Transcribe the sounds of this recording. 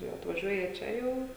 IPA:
jɛʊ ɐtʋɐˈʒʲuɔjɛ ˈt͡ʃʲɛ jɛʊ

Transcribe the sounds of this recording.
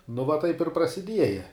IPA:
nʊ ʋɐ ˈtɐɪp ɪr prɐsʲɪˈdʲiɛjɛ

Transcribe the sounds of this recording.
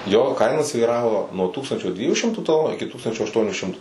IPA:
joː ˈkɐɪnɐ sʲʋʲiːˈrɑːʋoː nuɔ ˈtuːkstɐnʲt͡ʃʲoː ˈdʲʋʲiɛjuː ˈʃʲɪmtuː tɐˈlˠoːnuː ɪkʲɪ ˈtuːkstɐnʲt͡ʃʲoː ɐʃˈtuɔnʲʊ ˈʃʲɪmtʊ

